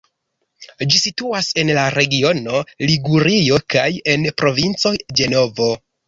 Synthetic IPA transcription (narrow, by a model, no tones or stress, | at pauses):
d͡ʒisituase̞nlaɾe̞ɡio̞no̞liɡuɾio̞kaje̞npɾo̞vint͡so̞jd͡ʒe̞no̞vo̞